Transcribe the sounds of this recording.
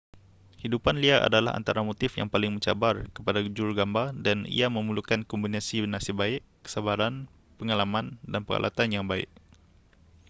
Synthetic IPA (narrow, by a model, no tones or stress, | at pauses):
hidupanliaʔa̰dalaɦa̰nt̪aɾamot̪ɪfja̰ŋpalɪŋməɲt͡ʃa̰barkəpadad͡ʒulɡambadanḭaməmulukankɔmbinasinasibaɪʔkə̥sabaɾan | pəŋalamandanpəɾa̰lʔa̰t̪anjaŋbaɪ̰ʔ